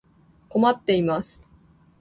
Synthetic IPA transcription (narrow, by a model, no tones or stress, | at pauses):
ko̞mat̪ːe̞imasɨ̥